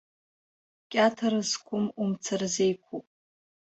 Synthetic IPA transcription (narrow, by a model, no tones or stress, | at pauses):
kʲʼatʰaɾɨzkʷʰʊmumt͡sʰarzejkʷʰupʼ